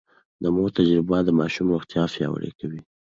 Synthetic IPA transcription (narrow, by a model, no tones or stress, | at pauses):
d̪əmot̪ad͡ʒɾɪbad̪əmɑʃumɾʊxt̪jɑfjɑ̰wə̰ɾḛkawi